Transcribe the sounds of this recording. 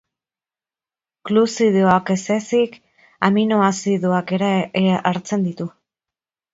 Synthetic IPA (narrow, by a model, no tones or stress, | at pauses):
klusiðeoake̞se̞sik | aminoasiðoake̞ɾaeʔaɾt͡se̞nd̪it̪u